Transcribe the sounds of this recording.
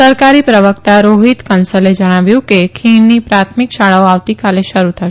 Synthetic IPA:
səɾkaɾipɾəʋəkt̪aɾoɦit̪kənsəled͡ʒəɽ̃aʋjũkekʰiɳnipɾat̪ʰmikʃaɭaoaʋt̪ikaleʃəɾut̪ʰəʃ

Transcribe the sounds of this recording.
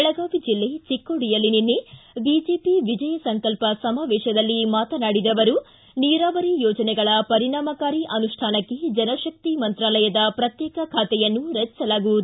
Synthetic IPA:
ɛɭɐɡaːʋid͡ʒilːe̞t͡ʃikːoɽijɐlːininːebid͡ʒe̞ːpiʋid͡ʒɐjɐsɐŋkɐlpɐsɐmaːʋɛːʃɐd̪ɐlːimaːt̪ɐnaːɽid̪ɐʋɐɾu | niːɾaːʋɐɾijɔːd͡ʒɐnɛɡɐɭɐpɐɾiɳaːmɐkaːɾiʔɐnuʂʈʰaːnɐkːed͡ʒɐnɐʃɐk̚t̪imɐnt̪ɾaːlɐjɐd̪ɐpɾɐt̪jɛːkɐkʰaːt̪ɛjɐnːuɾɐt͡ʃːɐlaːɡud̪u

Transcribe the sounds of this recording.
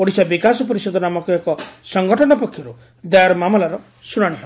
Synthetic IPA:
pɔɽisabikasɔpɔɾisɔd̪ʱɔnamɔkɔekɔsɔŋɡɔʈʰɔnɔpɔkʰːjɔɾu | d̪aɾmamɔlaɾɔ | suɾaɽ̃iɦɔ

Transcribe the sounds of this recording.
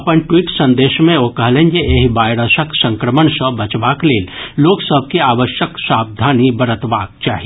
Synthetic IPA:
əpənʈwiːʈsə̃nd̪eːʃmẽokəɦlẽnd͡ʒeeɦibaːjɾəʃəksə̃ŋkɾəmənsəbət͡ʃbakleːlloːksəb̚ʱkiaːʋəʃjəksaːb̚d̪ʱaːnibəɾət̪ʋaːk̚t͡ʃaːɦi

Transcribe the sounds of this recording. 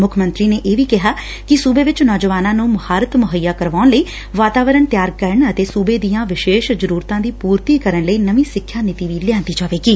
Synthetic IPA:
mʊkʰmə̃nt̪ɾiːneːʔeːʋiːkɪɦaː | kɪsuːbeːʋɪt͡ʃnɔːd͡ʒəʋaːnãːnũːməhaːɾət̪mʊɦəjːaːkəɾʋaːnləiː | ʋaːt̪aːʋəɾəɳt̪ɪjaːɾkəɾəɳət̪eːsuːbeːd̪ijãːʋɪʃeːʃzəɾuːɾt̪ãːd̪iːpuːɾt̪iːkəɾəɳləiːnəʋiːsɪkʰːjaːnɪt̪iːʋiːlɪãːnt̪iːd͡ʒaːʋeːɡiː

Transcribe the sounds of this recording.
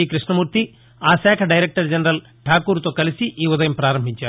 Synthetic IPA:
iːkɾiʂɳɐmuːɾt̪i | aːsɛːkʰɐɖɐjɾek̚ʈɐɾd͡ʒɐnɐɾɐl | ʈʰaːkuːɾt̪o̞ːkɐlisiʔiːud̪ɐjɐmpɾaːɾɐmbʱiɲt͡ʃaː

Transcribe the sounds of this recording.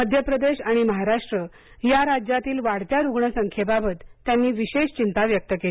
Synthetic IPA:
məd̪ʱjəpɾəd̪eɕaɽ̃iməɦaɾaʂʈɾə | jaɾad͡ʑjat̪iːlʋaɽt͡ɕ̪jaɾuɡɳəsəŋkʰebabət̪ːjanːiːʋiɕeɕt͡ɕint̪aʋjək̚t̪əkel

